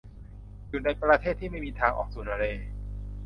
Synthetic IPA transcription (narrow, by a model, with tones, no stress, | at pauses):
ju˨˩na˧jpɾa˧t̪ʰeː˥˩t̪ʰːiː˥˩ma˥˩jmiː˧t̪ʰaː˧ŋʔɔ̰ː˨˩k̚su˨˩ənʔa˧ɾeː˧